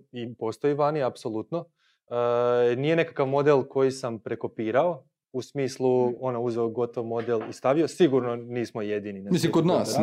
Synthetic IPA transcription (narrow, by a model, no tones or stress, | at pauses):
ipo̞st̪o̞jiʋaːniapso̞lˠut̪no | ənije̞ne̞kakaʋmo̞d̪elˠko̞jisampɾe̞ko̞piːɾao̞ | usmiːslˠuo̞nouzeoɡo̞t̪o̞ʋmo̞d̪elˠist̪aʋio̞siɡuɾno̞niːsmo̞je̞d̪ininemislikod̪naːs